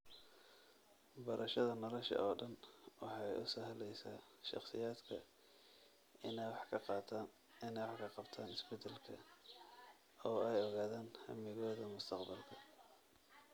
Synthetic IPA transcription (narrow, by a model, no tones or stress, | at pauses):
bɐɾʔɐʃɐðɐnɐlɐʃɐ̰ʔɔːɖɐnwɑħɑjʊsɐɦlɛjsaː | ʃɑ̰χsɪ̰jaːd̪kʰɐ | ɪnɛwħʰɑt̪ | ɪnɛjwɑħkʰɐqɑb̥t̪ʰaːnɪsbɛt̪ʰɛlkʰɐ̰ | ɔːɛjɔɣaːðaːnhɐ̰mɪɣɔːðɐmʊst̪ʰɑqbɐlkʰɐ̥